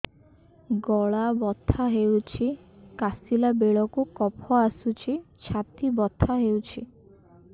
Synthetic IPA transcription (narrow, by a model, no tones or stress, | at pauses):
ɡɔɭabɔt̪ʰːaɦewt͡ʃʰi | kasilabeɭɔkukɔpʰɔasut͡ʃʰit͡ʃʰat̪ibɔt̪ʰːaɦewt͡ʃʰi